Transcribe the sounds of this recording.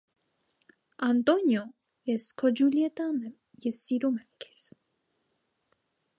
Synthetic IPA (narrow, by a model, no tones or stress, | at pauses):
ant̪onjo | eskʰod͡ʒuljet̪an | jesiɾumeŋke̥s